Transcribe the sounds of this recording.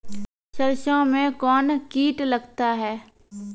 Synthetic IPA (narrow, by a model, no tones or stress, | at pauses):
ʃəɾʃõmẽkɔːnkiːʈləɡt̪aɦɛː